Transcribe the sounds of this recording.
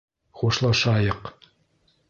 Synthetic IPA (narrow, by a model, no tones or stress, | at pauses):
χuʃlˠɑʃɑjɤq